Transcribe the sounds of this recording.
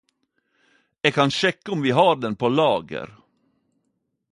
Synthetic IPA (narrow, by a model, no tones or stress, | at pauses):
eːɡ̚kʰɑnʃɛkːəʊmʋiːɦɑːɾɖ̪ɛnpʰoːlɑːɡə̰ɾ